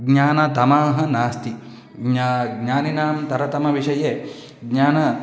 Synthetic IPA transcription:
ɡɲaːnɐt̪ɐmaːɦɐ̆naːst̪i | ɲaɡɲaːninaːmt̪ɐɾɐt̪ɐmɐʋiʂɐjeː | ɡɲaːnɐ

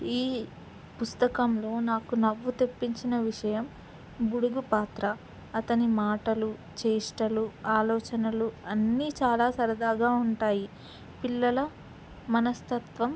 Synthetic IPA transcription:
iː | pust̪ɐkɐmlo̞ːnaːkunɐʋːut̪e̞pːiɲt͡ʃinɐʋiʂɐjɐm | buɽuɡupaːt̪ɾɐː | t̪ɐnimaːʈɐlu | t͡ʃeːʂʈɐluaːlɔːt͡ʃɐnɐluɐnːiːt͡ʃaːlaːsɐɾɐd̪aːɡaːuɳʈaːji | pilːɐlɐ | mɐnɐst̪ɐt̪ʋɐm

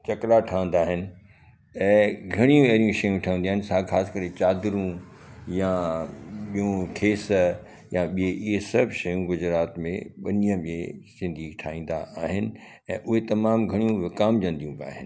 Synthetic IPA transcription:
t͡ɕɐklaʈʰãːə̃nd̪aːɦɪnɪ̆ | ɛ̃ːɡʱɐɽ̃ijũɐɾijũʃɐjũʈʰãːə̃nd̪iaːɦɪnɪsaxaːsɪ̥kɐɾet͡ɕaːd̪ɪɾũja | ɓijũkʰeːs | jaɓieʔɪɦesɐbʱʃɐjũɡʊd͡ʑɾaːt̪mḛ̃ɓɐnijəɓiḛ̃sɪ̃nd̪ʱiːʈʰaːĩːn̆d̪a̰ʔaːɦɪnɪ̆ | ɛ̃ːʔʊɦet̪ɐmaːmɡʱɐɽ̃ijũʋɪkaːmd͡ʑɐ̃nd̪ijũbɪa̰ːɦɪnɪ

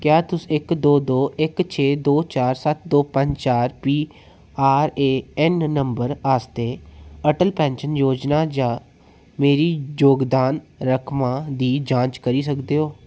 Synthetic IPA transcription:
kjaːt̪ʊsɪkd̪oːd̪oːʔɪkt͡ʃʰeːd̪oːt͡ʃaːɾsət̪̚d̪oːpə̃ɲd͡ʒt͡ʃaːɾpiː | aːɾeːɛnːəmbəɾaːst̪eːəʈəlpɛ̃ːnʃənjoːd͡ʒnaːd͡ʒãː | meːɾiːjoːɡd̪aːnɾəkʰmãːd̪iːd͡ʒãːt͡ʃkəɾiːsəkd̪eːɦoː

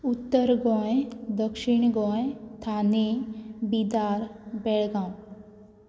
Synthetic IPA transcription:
ut̪ːəɾɡɔ̃d̪əkʃiɳ̃ɡɔ̃ẽt̪ʰaːnebid̪aːɾbɛɭɡãːw̃

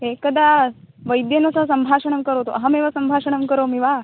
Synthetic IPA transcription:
ekəd̪a | ʋəjd̪jenəsasəmbʱaʂəɳ̃əmkəɾot̪oʔɐɦameʋasəmbʱaʂəɳ̃əmkəɾomiʋa

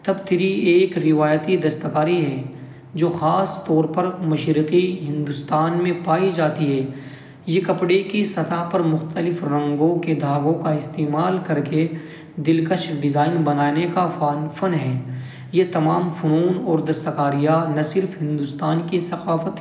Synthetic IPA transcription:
t̪ɐbt̪ʰɪɾieːkɾɪʋaːjt̪id̪ɐst̪əkaːɾiɦɛ | d͡ʒoːxaːst̪ɔːɾpɐɾmɐʃɾəqiɦɪ̃nd̪ʊst̪aːnmẽpaːid͡ʒaːt̪iɦɛː | jekɐpɽekisɐt̪aɦpɐɾmʊxt̪əlɪfɾɐ̃ŋɡõked̪ʱaːɡõkaɪst̪eːmaːlkɐɾke | d̪ɪlkət͡ʃʰɖɪzaːɪnbɐnaːnekafaːnfɐnɦɛː | jet̪ɐmaːmfʊɾuːnɔːɾd̪ɐst̪əkaːɾijanɐsɪɾfɦɪ̃nd̪ʊst̪aːnkisɐqaːfət̪

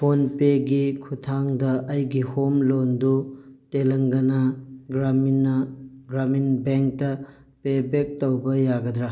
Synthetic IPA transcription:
pʰonpeɡikʰutʰaŋdɐʔɐjɡihomlondutelɐŋɡɐnɐɡɾamnɡɾaminbeŋk̚tɐ | pebek̚tɐwbɐjaɡɐdɾa

